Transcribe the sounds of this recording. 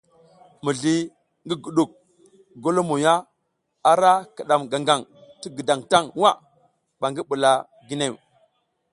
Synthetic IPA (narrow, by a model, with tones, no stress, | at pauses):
mu˨ɮi˦ | ŋɡi˦ɡu˨ɗu˨k̚ | ɡo˦lo˦mo˨ja˦ | a˨ɾa˦ka˨ɗa˨mɡa˨ŋɡa˨ŋti˦ɡə˨da˨ŋta˦˨ŋwa˦˨ | ɓa˨ŋɡi˦ɓu˨la˨ | ɡi˦ne˦˨w